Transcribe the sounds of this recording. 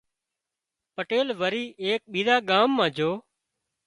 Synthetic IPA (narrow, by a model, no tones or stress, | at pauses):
pəʈeːlʋəɾiːʔeːk̚ɓiːɾaːɠaːmːãːd͡ʒʱoː